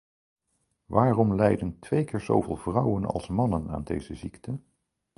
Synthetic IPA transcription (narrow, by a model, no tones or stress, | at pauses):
ʋaːrɔmlɛjdəntʋejkɪːɹzo̰wvɪːlˠvrʌwənɑ̰lˠsmɑnəna̰ːndḛjzəziktʰə